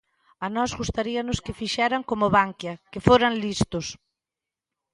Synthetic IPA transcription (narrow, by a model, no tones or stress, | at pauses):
anɔzɣust̪aɾiɐnʊskɪfiʃɛɾaŋkomʊβaŋkjɐkɪfoɾaŋlist̪ʊs